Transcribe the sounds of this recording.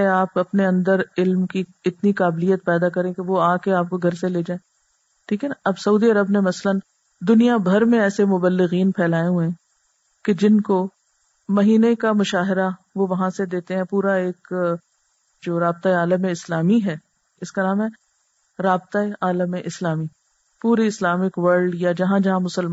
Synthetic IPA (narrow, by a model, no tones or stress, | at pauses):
eaːpɐpneɐ̃nd̪əɾɪlmkiɪt̪nikaːblijət̪̚pɛːd̪akɐɾẽkeʋoaːkeaːp̚koɡʱɐɾseleːd͡ʒaːeː | ʈʰiːkɛɐbsɐuːd̪iɐɾəbnemɐsələn | d̪ʊnijabʱɐɾmẽɛːsemʊbəlːɪɣiːnpʰɛːlaːeɦuẽ | ked͡ʒɪnko | mɐɦiːnekamʊʃaːɦɪɾa | ʋoʋɐɦãsed̪eːt̪eɦɛ̃puːɾaeːk | d͡ʒoːɾaːb̚t̪aeaːləmeɪslaːmiɦɛː | ɪskanaːmɦɛ | ɾaːbt̪aeʔaːləmeʔɪslaːmi | puːɾiɪslaːmɪkʋɐɾɖjad͡ʒɐɦãd͡ʒɐɦãmʊsəl